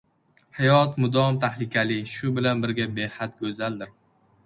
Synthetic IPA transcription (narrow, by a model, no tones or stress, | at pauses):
hajɒt̪mʊd̪ɒmt̪ʰahlɪkʲalɪʃʊbɪlanbɪɾɡʲabehat̪ɡʲɵzald̪ɪɾ